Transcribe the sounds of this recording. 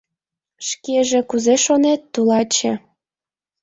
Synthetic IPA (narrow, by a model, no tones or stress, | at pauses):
ʃkeʒĕkuzeʃonet̪ːulɑt͡ɕĕ